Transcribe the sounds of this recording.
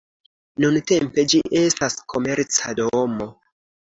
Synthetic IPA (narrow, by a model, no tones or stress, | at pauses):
nunte̞mpe̞d͡ʒiʔe̞staskʰo̞me̞ɾt͡sadomo̞